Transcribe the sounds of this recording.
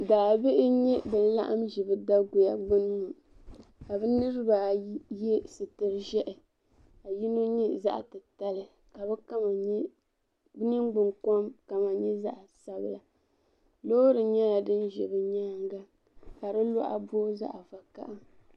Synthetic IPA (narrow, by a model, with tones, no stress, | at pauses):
daː˨bɪ˦ʔɪ˦ɲɛ˦bɨ˨n˦la̰˦ʔa̰˦mʒi˨bɨ˦da˦ɡʊ˨ja˨ɡ͡bɨ˦n˦ŋu˨ | ka˨bɨ˦nɨ˦ɾɨ˦ba˨jɛ˦sɨ˨tɨ˨ɾʒɛ˦ʔɪ˨ | a˨ji˦no˦ɲɛ˦za̰˦ʔa̰˨tɨ˨ta˦lɨ˨ | ka˨bɛ˦ka˦ma˨˦ | bɨ˦nɨ˦ŋɡ͡bɨ˨ŋkɔ˦mka˨ma˨ɲɛ˦za̰˦ʔa˨sa˦bla˨ | lo˦ɾɨ˨ɲɛ˦la˨dɨ˦nʒɛ̰˨bɨ˦ɲaː˦ŋɡa˦ | ka˨ɾɨ˦lɔ̰˦ʔa̰˨bo˦za̰˦ʔa˨va˨ka̰˦ʔa˦